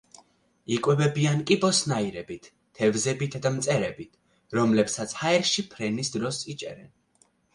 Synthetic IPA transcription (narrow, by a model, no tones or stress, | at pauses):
ikʼwɛbɛbiankʼibɔsnaiɾɛbit̪ʰːɛvzɛbit̪ʰad̪amt̪sʼɛɾɛbit̪ʰ | ɾɔmlɛpsat̪sʰhaɛɾʃipʰɾɛnisd̪ɾɔsit͡ʃʼɛ̰ɾɛn